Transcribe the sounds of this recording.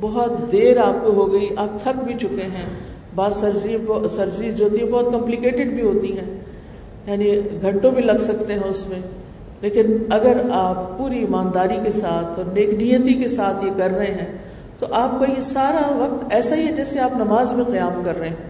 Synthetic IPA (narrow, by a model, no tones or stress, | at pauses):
bɔɦɔt̪d̪eːɾaːp̚koɦoɡɐiʔaːp̚t̪ʰɐk̚bʱit͡ʃʊkeɦɛ̃ | baːzsɐɾd͡ʒɾĩbsɐɾd͡ʒɾizd͡ʒoːt̪iɦɛ̃bɔːt̪̚kɐ̃mplɪkeːʈɪɖbʱiɦoːt̪iɦɛ̃ː | jaːniɡʱɐ̃ɳʈõbʱilɐɡsɐk̚t̪eɦɛ̃ʊsmẽ | leːkɪnɐɡəɾaːpːuːɾiːmaːnd̪aːɾikesaːt̪ʰɔːɾneːknijət̪ikesaːt̪ʰjekɐɾːɐɦẽɦɛ̃ː | t̪oʔaːp̚kɐɦisaːɾaʋɐq̚t̪ɛːsaɦiɦɛd͡ʒɛːseaːpnɐmaːzmẽqɐjaːmkɐɾːɐɦẽɦɛ̃ː